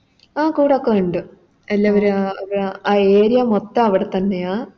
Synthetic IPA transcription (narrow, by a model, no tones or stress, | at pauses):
aːkuːɽɐokːeuɳɖɨ | ɐlːɐʋɐɾɐʋiɾaːeːɾijɐmot̪ːɐɐʋiɽet̪ɐnːe̞jaː